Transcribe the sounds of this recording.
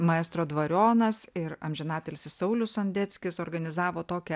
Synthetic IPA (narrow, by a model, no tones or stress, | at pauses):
mɐɛːst̪ɾoːd̪ʋɐɾʲoːnɐsɪɾɐmʲʒʲɛnɑːt̪ʲelʲsʲɪssɐʊlʲʊsɐnʲd̪ʲɛt̪sʲkʲɪsoːɾɡɐnʲɪzɑːʋoːt̪oːkʲɛ